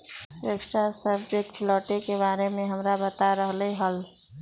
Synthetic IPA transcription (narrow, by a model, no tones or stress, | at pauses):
sɾeksʈʰasəbd͡ʒekʈʰlɔːʈekeβaːɾemẽɦəmɾabət̪aɾəɦleɦəl